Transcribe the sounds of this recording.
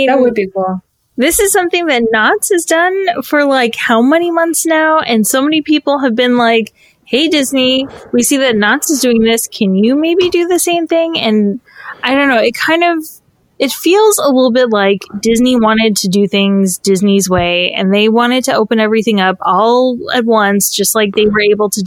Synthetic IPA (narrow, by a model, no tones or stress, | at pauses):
əbikʊl | ðɪsɨz̥sʌ̃mθɪ̃ŋðɨtⁿnɑtsɨzdʌ̃nfə˞laɪkhaʊmɛnimʌ̃nθsnaʊʔɨ̃nsoʊmɛnipʰipl̩ˠɨvbɨ̃nlaɪk | heɪdɪzniwisiðɨtⁿnɑtsɨzdʉɪ̃ŋðɪskʰɨ̃njɨmeɪbidɨðɨsẽɪ̃mθɪ̃ŋɨ̃naɪɾõʊ̃nːoʊɨt̚kʰãɪ̃ndʌv | ɨtfilˠzəlɪɾl̩ˠbɪtˡlaɪkd̥ɪzniwɑ̃ɾ̃ɨd̚tʰɨdɨθɪ̃ŋzdɪznizweɪɨ̰̃nðeɪwɑ̃ɾ̃ɨd̚tʰɨoʊpɨ̃nɛvɹiθɪ̃ŋʌpɔlˠɨ̰t̚wʌ̃nsd̥ʒ̥ʌst̚ˡlaɪk̚ðeɪwə˞eɪbl̩ˠtʰɨ